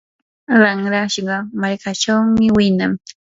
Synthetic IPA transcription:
ɾɑŋɾaʃɢɑmaɾkat͡ʃawmɪwɪnaŋ

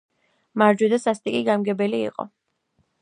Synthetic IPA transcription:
maɾd͡ʒwid̪asast̪ʼikʼiɡamɡɛbɛlḭːqʼɔ̰

